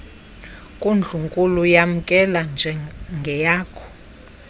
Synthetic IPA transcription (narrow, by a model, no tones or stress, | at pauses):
kʼund͡ɮʱuŋkʼulujam̩kʼɛland͡ʒʱɛŋɡʱɛjaːkʰɔ̥